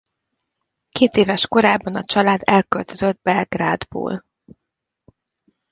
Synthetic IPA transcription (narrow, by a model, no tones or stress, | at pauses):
keːt̪eːvɛʃko̞ɾaːbːɒnɒt͡ʃɒlaːd̪ɛlkølt̪øzød̪̚bɛrɡraːd̪bo̰ːl